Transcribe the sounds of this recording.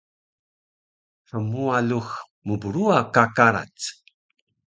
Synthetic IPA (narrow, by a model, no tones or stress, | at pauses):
səmualux | məbuɾuakakaɾa̰t͡s